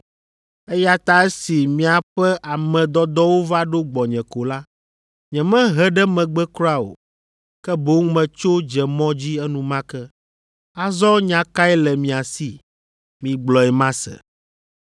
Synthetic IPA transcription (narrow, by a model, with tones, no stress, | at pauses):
ɛ˦ja˦t̪a˦ɛ˦si˨mĩ˨a˨ɸɛ˦ʔa˨mɛ̃˨d̪ɔ˦d̪ɔ˦wo˦va˦ɖo˦ɡ͡bɔ˨ɲɛ̃˨ko˨la˦ | ɲɛ̃˨mɛ̃˦ɦɛ˦ɖɛ˦mɛ̃˨ɡ͡bɛ˦kɾa˦o̰˨ | kɛ˦bo˦ŋ˦mɛ̃˨t͡ʃo˦d͡ʒɛ˨mɔ̃˦d͡ʑi˦ɛ˦nũ˨mã˦kɛ˦ | a˦zɔ˦ɲã˨ka˦ɛ˦lɛ˨mĩ˨a˨si˨ | mĩ˨ɡ͡blɔ˨ɛ˨mã˦sɛ̰˨